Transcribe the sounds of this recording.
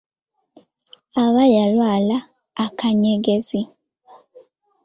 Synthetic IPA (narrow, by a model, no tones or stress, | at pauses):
aβajalwaːlaː | kʰaɲeɡe̞zi